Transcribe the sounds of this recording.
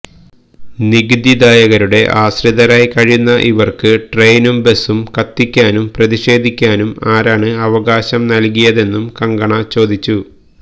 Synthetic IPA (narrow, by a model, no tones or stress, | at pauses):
niɡd̪id̪aːjɐɣɐɾuɽe̞ʔaːɕriðɐɾaːjkɐɻijunːɐʔiʋɐrkɨʈre̞jnumbe̞sumkɐt̪ːikʲːaːnumprɐðiɕe̞ːd̪ʱikʲːaːnumaːɾaːɳɨɐʋɐɣaːɕɐmnɐlkijɐðe̞nːumkɐŋɡɐɳɐt͡ɕo̞ːd̪it͡ɕːu